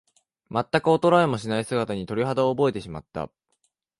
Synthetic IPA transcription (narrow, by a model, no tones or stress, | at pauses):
mat̪ːakɯ̟o̞t̪o̞ɾaemo̞ɕinaisɨɡat̪aɲ̟it̪o̞ɾʲiɦad̪aoːbo̞e̞t̪e̞ɕima̰t̪ːa̰